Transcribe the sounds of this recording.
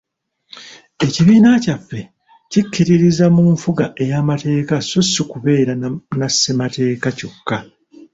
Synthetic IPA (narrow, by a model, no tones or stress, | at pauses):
e̞ciβiːnacafːe̞ | cikːiɾiɾizamuːɱfuɡaʔe̞jaːmate̞ːkasosukuβe̞ːɾanasːemate̞ːkaco̞kːa